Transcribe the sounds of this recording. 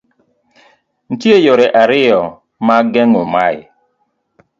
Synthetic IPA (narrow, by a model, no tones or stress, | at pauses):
n̩tiejɔɾɛʔaɾɪjɔ | maɡɛŋʊmaɪ̰